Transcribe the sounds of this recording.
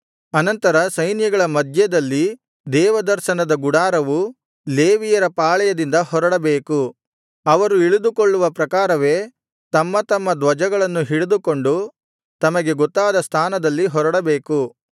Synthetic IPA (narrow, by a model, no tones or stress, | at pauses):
ɐnɐnt̪ɐɾɐsɐjnjɐɡɐɭɐmɐd̪ʱjɐd̪ɐlːi | d̪ɛːʋɐd̪ɐɾʃɐnɐd̪ɐɡuɽaːɾɐʋu | leːʋijɐɾɐpaːɭɛjɐd̪ind̪ɐhɔɾɐɽɐbeːku | ɐʋɐɾuiɭud̪ukoɭːuʋɐpɾɐkaːɾɐʋe̞ː | t̪ɐmːɐt̪ɐmːɐd̪ʋɐd͡ʒɐɡɐɭɐnːuɦiɭud̪uko̞ɳɖu | t̪ɐmɐɡe̞ɡɔt̪ːaːd̪ɐst̪ʰaːnɐd̪ɐlːiɦɔɾɐɽɐbe̞ːku